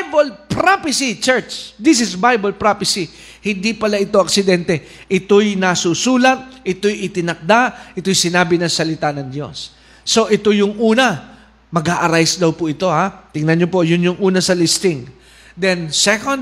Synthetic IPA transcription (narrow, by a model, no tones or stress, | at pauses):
bɐlpɾapɪsit͡ʃɛɹt͡ʃd̪is̬ɪsbajbɐlpɹapɪsi | hɪnd̪ipɐlaʔɪt̪o̞ʔɐksɪd̪ɛnt̪ɛ | ʔɪt̪o̞jnɐsusuːlɐt̪̚ʔɪt̪o̞jʔɪt̪ɪnɐk̚d̪aʔɪt̪o̞jsɪnaːbɪnɐŋsɐlɪt̪anɐŋd̪jo̞̰sː | o̞ʔɪt̪o̞jʊŋʔuːnɐ | mɐɡaːʔɐɾajsd̪ɐwpʊʔɪt̪o̞hat̪ɪŋnɐnɲopo̞ʔjʊnjʊŋʔuːnɐsɐlist̪ɪŋ | d̪ɛnsɛkond̪